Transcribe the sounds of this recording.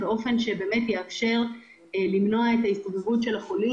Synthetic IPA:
beo̞fe̞nʃe̞be̞ːme̞tjeafʃe̞ʁ | limno̞aetaist̪ovevutʃe̞laχo̞li

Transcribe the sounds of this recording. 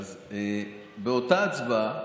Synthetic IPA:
ze | beotaːt͡sva

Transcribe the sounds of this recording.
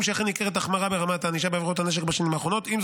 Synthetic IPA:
mʃeaχenikeʁet̪̬aχmaʁabeʁamat̪aniʃabeːvot̪ane̞ʃ̬ekbaʃanimhaːχʁo̞no̞t̪imz

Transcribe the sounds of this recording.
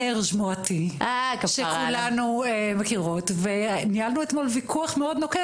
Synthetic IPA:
eʁʃmuatiakʃekulanuemakiʁotvenialnuetmo̞lvikʰuaχmeo̞d̪noke

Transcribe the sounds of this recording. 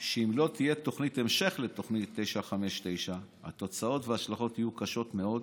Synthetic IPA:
ʃeimlo̞t̪ijet̪o̞χnit̪e̞mʃe̞χle̞t̪o̞χnit̪ːe̞jʃaχame̞ʃt̪e̞jʃaha̰t̪o̞t͡sao̞tveaʃlaχo̞t̪ijukaʃo̞t̪me̞o̞d

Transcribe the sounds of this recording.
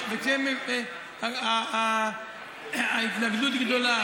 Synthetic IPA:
vekem | aa | ait̪naɡd̪ut̪ɡd̪ola

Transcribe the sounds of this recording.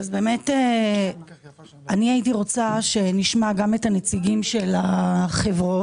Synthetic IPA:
azbe̞ːme̞te | aniaitiʁo̞t͡saʃe̞niʃmaɡame̞tanet͡siɡimʃe̞laχevʁo̞

